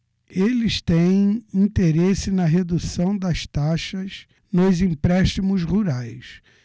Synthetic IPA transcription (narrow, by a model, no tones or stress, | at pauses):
elɪst̪ẽj̃ĩnt̪eɾesɪnɐɦed̪usɐ̃w̃d̪ɐst̪aʃɐs | nʊzĩpɾɛʃt͡ʃimʊzhuɾajs